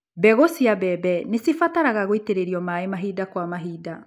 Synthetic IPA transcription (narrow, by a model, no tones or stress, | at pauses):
bɛɣosiabɛbɛnesifataɾaɣaɣoiteɾeɾiɔmaemaɦidakwamaɦiːda